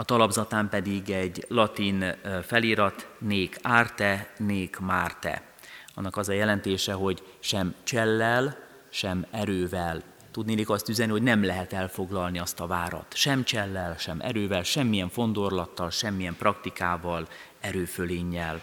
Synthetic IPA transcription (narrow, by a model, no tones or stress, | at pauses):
ɒt̪ɒlɒbzɒt̪aːmpɛd̪iɡɛɟlɒt̪infɛliːɾɒt̪neːkaːrt̪ɛneːkmaːrt̪ɛ̰ | ɒnːɒkɒzɒjɛlɛnt̪eːʃɛɦo̞ɟ | ʃɛmt͡ʃɛlːɛl | ʃɛmɛɾøːvɛl | t̪ud̪neːlikɒst̪yzɛniɦo̞ɟnɛmlɛɦɛt̪ɛlfo̞ɡlɒlniɒst̪ɒvaːɾɒ̰t̪ʃɛmt͡ʃɛlːɛlʃɛmʔɛ̰ɾøːvɛlʃɛmːijɛɱfo̞nd̪o̞rlɒt̪ːɒlʃɛmːijɛmprɒkt̪ikaːvɒl | ɛɾøːføleːɲːɛl